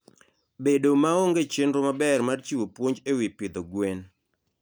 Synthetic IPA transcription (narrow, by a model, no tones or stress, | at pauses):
bedomaoŋɡet͡ʃenɾomabɛrmart͡ʃiwopwoɲd͡ʒewipɪd̪oɡwen